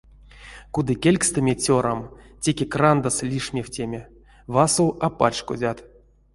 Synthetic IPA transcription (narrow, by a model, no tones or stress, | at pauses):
kud̪ɨkʲelʲkst̪ɨmʲet͡sʲoɾʔamtʲekʲekrand̪aslʲiʂmʲeftʲemʲe | vasowapa̰t͡ʃko̰dʲat̪